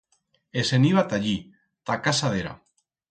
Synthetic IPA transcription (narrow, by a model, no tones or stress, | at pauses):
eseniβat̪aʎi | t̪akasað̞eɾa̰